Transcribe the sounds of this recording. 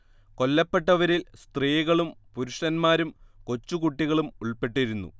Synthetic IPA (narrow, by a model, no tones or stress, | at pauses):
ko̞lːɐpːe̞ʈːɐʋɐɾilst̪riːɣɐɭumpuɾuʂɐnmaːɾumko̞t͡ɕːukuʈːiɣɐɭumuɭpe̞ʈːiɾunːṵ